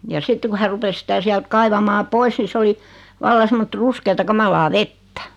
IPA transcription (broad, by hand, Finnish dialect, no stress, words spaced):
jɑ sitːe ku hæ rupes sĭtæ siælt kɑiʋɑmɑː pois ni se oli ʋɑlːɑ semːot ruskeːtɑ kɑmɑlɑː ʋetːæ̥